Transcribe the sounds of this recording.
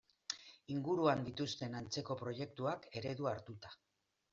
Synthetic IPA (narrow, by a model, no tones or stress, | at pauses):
iŋɡuɾuand̪it̪ust̪e̞nant͡se̞ko̞pɾo̞je̞k̚t̪uake̞ɾe̞ðuaɾt̪ut̪ḁ